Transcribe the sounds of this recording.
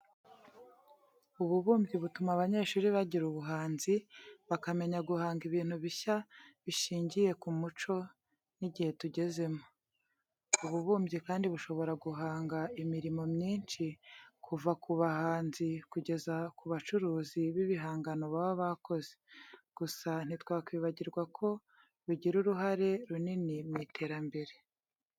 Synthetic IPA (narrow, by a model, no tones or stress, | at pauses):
uβuβuːmbɟiβutumaβaɲe̞ʃuːɾiβaɟiɾuβuɦaːnziβakame̞ɲaɡuhaːŋɡiβiːn̥huβiçaβiʃiːɲɟije̞kumut͡ʃo̞ | niɟihe̞tuɟe̞ze̞mo | uβuβuːmbɟikaːndiβuʃo̞βo̞ɾaɡuɦaːŋɡaimiɾimo̞mɲiːnt͡ʃikʰuvakʰuβahaːnzikuɟe̞zakuβat͡ʃuɾuːziβiβiɦaːŋɡano̞βaβoβako̞ze̥ɡ̥usan̥itwaːkwiːβaɟiɾɡwakʰo̞ | ɾuɟiɾuɾuɦaɾe̞ɾuninimŋitʰe̞ːɾambe̞ɾe̞